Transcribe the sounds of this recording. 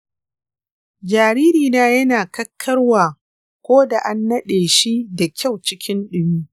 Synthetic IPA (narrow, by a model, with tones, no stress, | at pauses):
d͡ʒaː˨ɾiː˦ɾiː˨naː˦jɐ˦naː˨kɐ˦kʰːɐ˦rwaː˨ | kʷoː˦da˨ʔa˦nːɐ˦ɗeː˨ʃi˦da˨kʲa˦˨wt͡ʃɪ˦kʲʰɪ˦nɗɪ˦muː˦